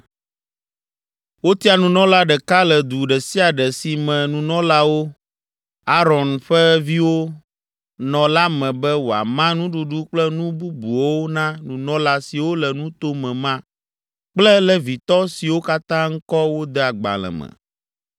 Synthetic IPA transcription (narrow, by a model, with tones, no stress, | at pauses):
wo˦t̪i˦a˨nũ˨nɔ̃˦la˦ɖɛ˨ka˦lɛ˨d̪u˨ɖɛ˨si˦a˨ɖɛ˨si˨mɛ̃˨nũ˨nɔ̃˦la˦wo˦ | a˦ɾɔ˨nɸɛ˦vi˦wo˦ | nɔ̃˨la˦mɛ̃˨bɛ˦wo˨a̰˨mã˦nũ˦ɖu˨ɖu˦k͡plɛ˦nũ˦bu˦bu˨wo˦wo˦nã˦nũ˨nɔ̃˦la˦si˨wo˦lɛ˨nũ˦t̪o˦mɛ̃˨mã˦ | k͡plɛ˦lɛ˨vi˨t̪ɔ˦si˨wo˦ka˦t̪ã˦ŋ̩˦kɔ˦wo˦d̪ɛ˦a˨ɡ͡ba̰˨lɛ̰̃˨mɛ̰̃˨